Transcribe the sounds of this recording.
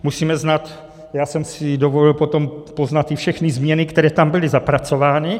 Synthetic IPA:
musiːmɛznat̪ | jaːsɛmsɪdovo̞lɪlpo̞t̪o̞mpo̞znat̪ːɪfʃɛxnɪzmɲɛnɪkt̪ɛɾɛːt̪ambɪlɪzapɾat͡so̞vaːnɪ

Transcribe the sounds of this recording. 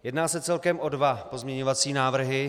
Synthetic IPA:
jɛdnaːsɛt͡sɛlkɛmʔo̞dvapo̞zmɲɛɲovat͡siːnaːvr̩ɦɪ

